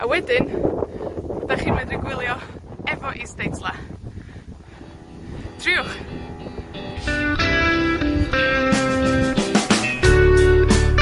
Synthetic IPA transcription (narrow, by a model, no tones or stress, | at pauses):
a̰wɛdɪn | ɔdaχiːnmɪndɪɡwɪlˠjɔɛvɔʔistejtʰlˠa | tʰrɪʊχ